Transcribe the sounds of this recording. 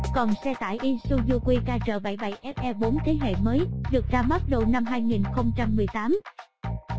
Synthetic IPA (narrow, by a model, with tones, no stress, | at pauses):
kɔ˨˩nsɛ˧t̪aː˧˩˨jʔi˧su˧zu˧kwi˧kaː˧t͡ɕə̰ː˧˩ɓa˧˩jɓa˧˩jʔɛ˦˥p̚ʔɛ˧ɓo˨˦nt̪ʰe˨˦ɦḛ˧˨məː˨˦jɗɨ˨˩ək̚zaː˧ma˦˥t̚ɗo˧˩na˧mɦaː˧jŋi˨˩nxə˧wŋ͡mt͡ɕa˧mːɨ˨˩əjt̪aː˨˦m